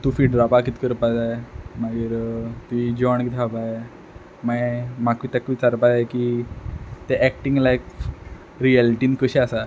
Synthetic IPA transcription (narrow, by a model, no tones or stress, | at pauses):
t̪ufiːɖɾapakit̪kəɾpad͡zajemaɡiɾt̪uid͡ʑɔɳkit̪ʰɦapa | mamakit̪akʋit͡saɾpad͡zaeki | t̪eʔɛk̚ʈiŋɡlajkf | ɾiɛlʈinkəɕiasa